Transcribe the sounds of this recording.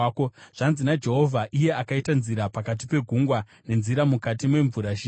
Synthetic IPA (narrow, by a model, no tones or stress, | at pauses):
koʐ̥anzinad͡ʒe̞ɦo̞vʱaʔije̞akaitanziɾapakat̬ipe̞ɡʱuŋɡwa | ne̞nziɾamukatimwe̞ɱvuɾaʃi